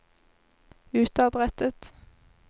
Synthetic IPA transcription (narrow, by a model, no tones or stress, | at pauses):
ʉːt̪ɑbʁɛt̪ət̪